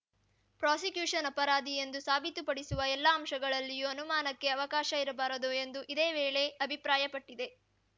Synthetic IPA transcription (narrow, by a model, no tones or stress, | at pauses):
pɾaːsikjuːʂɐnɐpɐɾaːd̪ie̞nd̪usaːbʱit̪upɐɽisuʋɐɛlːaːmʃɐɡɐɭɐlːijuɐnumaːnɐkːe̞ɐʋɐkaːʃɐiɾɐbaːɾɐd̪ue̞nd̪uʔid̪eːʋeːɭe̞ɐbʱipɾaːjɐpɐʈːid̪e̞